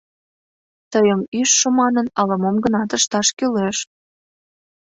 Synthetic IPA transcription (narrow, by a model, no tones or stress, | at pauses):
t̪əjəmyʃːə̆mɑnənɑlɤmomɡənɑt̪əʃt̪ɑʃkyleʃ